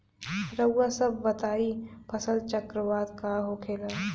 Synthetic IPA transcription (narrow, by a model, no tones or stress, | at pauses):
ɾəwːasɐbːɐt̪aːipʰɐsəlt͡ʃəkɾəʋaːd̪kaɦokʰeːlaː